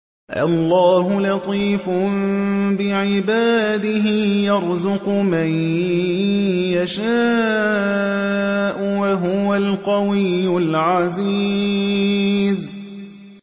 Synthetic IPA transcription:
ʔa̰lːɑːɦʊlɑt̪ˤiːfʊ | bɪʕɪbaːd̪ɪɦɪjɑɾˤzʊqʊmaj | jaʃaː | ʔʊwaɦʊwalqɑwɪjːʊlʕazi | z

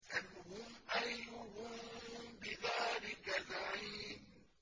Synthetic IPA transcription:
ʔanhʊmʔajʊhʊmbɪðaːlɪkazaʕiːn

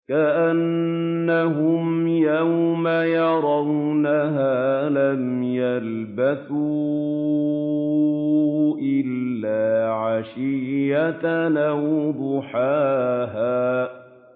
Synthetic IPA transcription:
kaʔanː | aɦʊmjawmajɑɾˤɑwnaɦaːlamjal | baθu | ʔɪlːaːʕaʃɪːat̪nawd̪ʊħaːɦaː

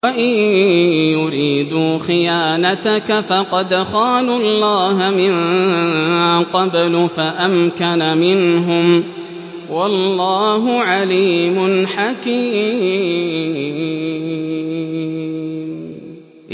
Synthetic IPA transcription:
waʔɪnjʊɾiːd̪uːxɪjaːnat̪akafɑqɑd̪xaːlʊlːɑːɦamɪn | qɑblʊfaʔamkanamɪnɦʊm | wɑlːɑːɦʊʕaliːmʊnħakiː

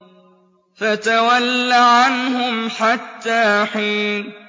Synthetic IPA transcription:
fat̪awalːaʕanhʊmħat̪ːaːħiːn

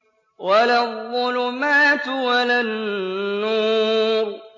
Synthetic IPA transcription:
walaðːʊlʊmaːt̪ʊwalanː | uːɾ

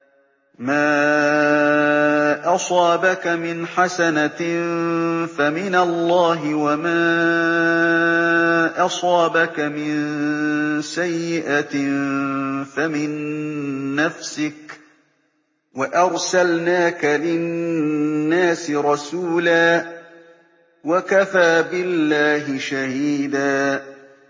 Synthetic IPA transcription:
maː | ʔɑsˤɑːbakamɪnħasana | famɪnalˤːɑːɦɪwamaː | ʔɑsˤɑːbakamɪn | sajːɪʔat̪ | famɪnː | afsɪk | waʔɑɾˤsalnaːkalɪ | nːaːsɪɾˤɑsuːlaː | wakafaːbɪlːaːɦɪʃahiːd̪aː

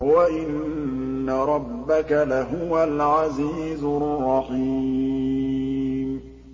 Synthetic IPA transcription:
waʔɪnː | aɾˤɑbːakalaɦʊwalʕaziːzʊrˤːɑqi | m

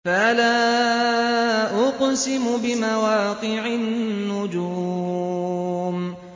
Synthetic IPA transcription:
faʔalaː | ʔʊqsɪmʊbɪmawaːqɨʕɪnːʊd͡ʒu | m

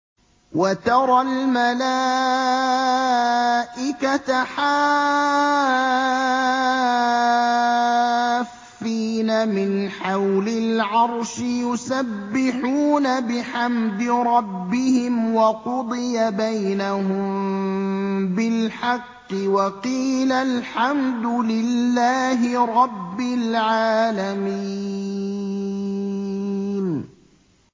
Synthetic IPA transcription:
wat̪ɑɾˤɑlmalaː | ʔɪkat̪aħaː | fːiːnamɪnħawlɪlʕɑɾˤʃɪjʊsabːɪħuːnabɪħamd̪ɪɾˤɑbːɪhɪmwɑqʊd̪ˤɨjabajnaɦʊmm | bɪlħɑqːɨwɑqiːlalħamd̪ʊlɪlːaːɦɪɾˤɑbːalʕaːlamii | n

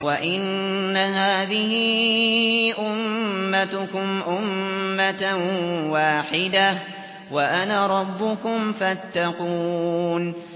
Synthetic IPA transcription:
waʔɪnːaɦaːðɪhɪ | ʔʊmːat̪ʊkʊmʔʊmːat̪awaːħɪd̪a | waʔanaɾˤɑbːʊkʊmfat̪ːɑquːn

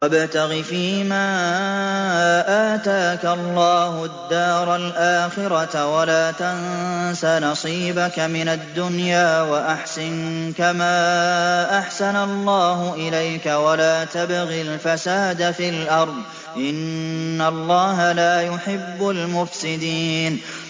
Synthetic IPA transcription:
ʔabt̪aɣifiːmaː | ʔaːt̪aːkalˤːɑːhʊd̪ːɑːɾˤalʔaːxɪɾɑt̪walaːt̪ansanɑsˤiːbakamɪnad̪ːʊnjaːwaʔaħsɪnkamaːʔaħsanalˤːɑːɦʊʔɪlajkawalaːt̪abɣilfasaːd̪afilʔɑɾˤd̪ˤ | ʔɪnːalˤːɑːɦalaːjʊħɪbːʊlmʊfsɪd̪iːn

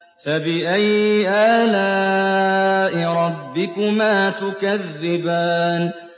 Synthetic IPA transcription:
fabɪʔajʔaːlaː | ʔɪɾˤɑbːɪkʊmaːt̪ʊkaðːɪbaːn

